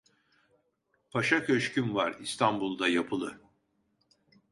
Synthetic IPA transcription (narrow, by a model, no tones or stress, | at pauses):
pʰaʃacʰøʃcynvaɾist̪ʰanbulˠd̪ajapʰɯlˠɯ